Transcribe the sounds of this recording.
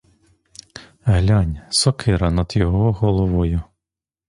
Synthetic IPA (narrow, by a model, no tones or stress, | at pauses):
ɦlʲɑnʲsɔkʰɪɾɐnɐd̪̥jɔɦɔɦɔlˠɔʋɔjʊ